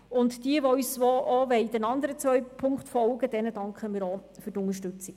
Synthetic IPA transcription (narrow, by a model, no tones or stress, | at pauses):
ʊntd̥iəʋɔysʋɔʔɔʋɛɪd̥ɛnɑnd̪əɾət͡sʋœʏpʰʊŋkχtfɔlɡəd̥̪ɛnəd̥ɑŋkχəmiːɾɔfyrtʊŋəʃtɵt͡sik